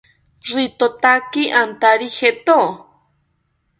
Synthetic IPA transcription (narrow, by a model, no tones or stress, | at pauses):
rit̪ot̪akiʔant̪aɾixet̪o